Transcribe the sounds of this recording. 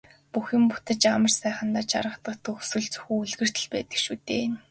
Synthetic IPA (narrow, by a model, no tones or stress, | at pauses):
puxɪ̆mput̪ə̆t͡ɕamə̆rsæːχə̆nt̪aːt͡ɕa̰ɾə̆t̪ə̆χt̪ʰɵxsɵ̆ɮt͡sɵ̥xuːuɮɣɘ̆r̥t̪ɘ̆ɮpæːt̪ə̆kʃuːt̪eːn